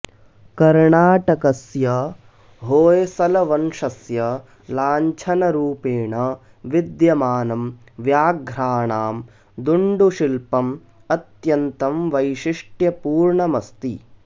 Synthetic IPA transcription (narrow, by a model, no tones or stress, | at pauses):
kɐɾɳaːʈɐkɐsjɐ | ɦoːjɐsɐlɐʋɐnʂɐsjɐ | laːɲt͡ʃʰɐnɐɾuːpeːɳɐ | ʋid̪jɐmaːnɐm | ʋjaːɡʱɾaːɳaːm | d̪uɳɖuʃilpɐm | ɐt̪jɐnt̪ɐmʋɐjʃiʂʈjɐpuːɾɳɐmɐst̪ḭ